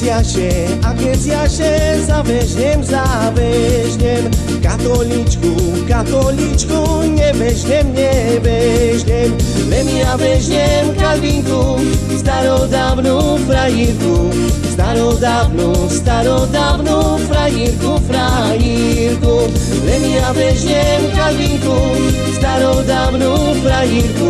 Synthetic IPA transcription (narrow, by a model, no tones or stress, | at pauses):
siaʃe | akẽsiaʃezaveʒɲemzaveʒɲem | kat̪olit͡ʃku | kat̪olit͡ʃkuɲeveʒɲemɲeveʒɲemlemiaveʒɲemkalvĩku | st̪aɾɔd̪avnupɾajiɾku | st̪aɾɔd̪avnust̪aɾɔd̪avnu | pɾajiɾkupɾa | ji | ɾku | lɛmiavɛʒɲɛmkalviŋku | st̪aɾɔwd̪avnu | pɾajiɾku